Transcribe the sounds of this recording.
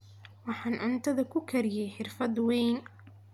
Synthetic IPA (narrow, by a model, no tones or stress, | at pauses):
wɑħɑːnʔɐnt̪ʰɐðɐkʰʊkʰɐɾɪjɛjħɪrfɐd̪wɛjn